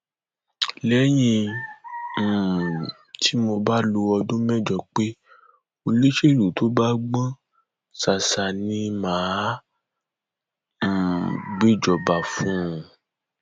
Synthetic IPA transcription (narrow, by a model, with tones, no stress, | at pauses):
lɛ˨˦j̃ĩ˧ | m̩˦˨ | tʰi˨˦mo˧ba˦lo˧ɔ˧dũ˦mɛ̃˦˨d͡ʒɔ˧k͡pe˦ | o˧le˦ʃe˦˨ɾu˨to˦ba˦ɡ͡bã˦ | sa˨sa˨nĩ˧mãː˨˦ | m̩˨ɡ͡be˦˨d͡ʒɔ˨ba˨fũ˦˨